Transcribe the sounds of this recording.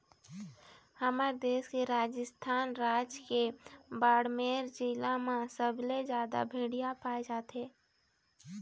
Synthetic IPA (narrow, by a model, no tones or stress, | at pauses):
həməɾd̪eːskeɾaːd͡ʒəst̪ʰaːnɾaːd͡ʒkebaːɽmeːɾd͡ʒiːlamãsəbled͡ʒjaːd̪a̰bʱeːɽijapaːed͡ʒaːt̪eː